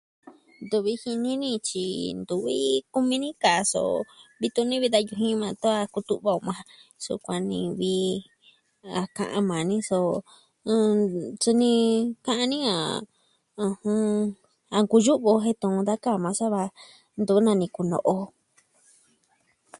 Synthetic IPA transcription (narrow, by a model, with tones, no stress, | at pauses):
nd̪u˧βi˧hi˧nĩ˦nĩ˦˧t͡ʃḭ˧nd̪u˨βi˦ku˧mĩ˧nĩ˦ka˨˧so̰˧˨βi˧t̪u˧nĩ˦βi˧ða˧ju˧ɦĩ˦˧mã˧t̪u˦a˧ku˧t̪u˧ʔβa˧o˧mã˧sṵ˧kʷa˧nḭ̃˧βi˧ | a˧kã̰˧ʔã̰˧mã˨nĩ˦sõ˧ | t͡su˧nĩ˧kã˦ʔã˧nĩ˦a̰˨ | ũ˧hũ˧ | a˧ŋku˧ʒu˦ʔβo˧ɦe˦t̪ũ˧ũ˧d̪a˦ka˦˨mã˧sa˦βa˧ | nd̪u˧˦nã˧nĩ˧ku˧nõ̰˧ʔo˧